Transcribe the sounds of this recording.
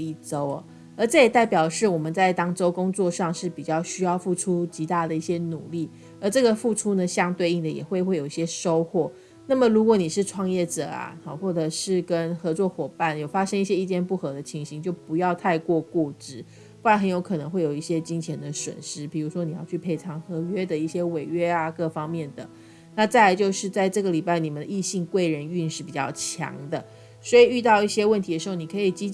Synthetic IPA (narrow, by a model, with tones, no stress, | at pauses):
i˥˩ʈ͡ʂo˥ʊ˨ | ə˞˧˥t͡sɤ˥˩jɛ˨˩t̪a˥˩ɪpjɑ˨˩ʊʂɻ̩˥˩wɔ˨˩mə˨˦nt͡sa˥˩ɪt̪ɑ˥ŋʈ͡ʂo˥ʊkʊ˥ŋt͡swɔ˥˧ʂɑ˥˧ŋʂɻ̩˥˩pi˨˩t͡ɕjɑ˥˧ʊɕy˥jɑ˥˧ʊfu˥˩ʈ͡ʂʰu˥t͡ɕi˧˥t̪a˥˩d̪ə˩i˥˩ɕjɛ˥nu˨˩li˥˩ | ə˧˥ʈ͡ʂɤ˥˩ɡə˨fu˥˩ʈ͡ʂʰu˥nə˨ɕjɑ˥˧ŋt̪we˥˧ɪi˥˩ŋd̪ə˩jɛ̰˨˩xwe˥˧ɪxwe˥˩ɪjo˨˩ʊi˥˩ɕjɛ˥ʂo˥ʊxwɔ˥˩ | na˥˩mə˨˩ɻu˧˥kwɔ˧˦ni˨˩ʂɻ̩˥˧ʈ͡ʂʰwɑ˥˧ŋjɛ˥˩ʈ͡ʂɤ̰˨˩a̰˩ɔ˩xwɔ˥˩ʈ͡ʂɤ˨˩ʂɻ̩˥˩kə˦˥nxɤ˧˥t͡swɔ˥˩xwɔ˨˩pa˥˩njo˨˩ʊfa˥ʂə˥ŋi˥˩ɕjɛ˧˥i˥˩t͡ɕjɛ˥˧npu˥˩xɤ˧˥d̪ə˨t͡ɕʰi˧˥ŋɕi˧˥ŋt͡ɕjo˥˩ʊpu˧˥jɑ˥˧ʊt̪ʰa˥˧ɪkwɔ˥˧kwɔ˥˩ʈ͡ʂɻ̩˥˩ | pu˥˩a˧˥nxə˧˦njo˧˥ʊkʰɤ˨˩nɤ˧˥ŋxwe˥ɪjo˨˩ʊi˥˩ɕjɛ˦˥t͡ɕi˥ŋt͡ɕʰjɛ˧˥nd̪ə˨swə̰˨˩nʂɻ̩˥pi˨˩ɻu˧˥ʂwɔ˥ni˨˩jɑ˥˧t͡ɕʰy˥˩pʰe˥˩ɪt͡sʰɑ˧˥ŋxɤ˧˥ɥɛ˥d̪ə˨i˥˩ɕjɛ˥we˨˩ɪɥɛ˥a˨kɤ˥˧fɑ˥ŋmjɛ˥˩nd̪ə˩ | na˥˧t͡sa˥ɪla˧˥t͡ɕjo˥˧ʊʂɻ̩˥˧t͡sa˥˧ɪʈ͡ʂɤ˥˩ɡə˩li˨˩pa˥ɪni˨˩mə˨˦nd̪ə˧i˥˧ɕi˥˧ŋkwe˥˩ɪɻə˧˦ny˥˧nʂɻ̩˥˩pi˨˩t͡ɕjɑ˥˩ʊt͡ɕʰjɑ̰˧˥ŋd̪ə˧ | swɔ˧˥i˨˩y˥˧t̪ɑ˥˧ʊi˥˩ɕjɛ˥wə˥˩nt̪ʰi˧˥d̪ə˩ʂɻ̩˧˥o˧˩ni˨˩kʰɤ˧˥i˨˩t͡ɕi˥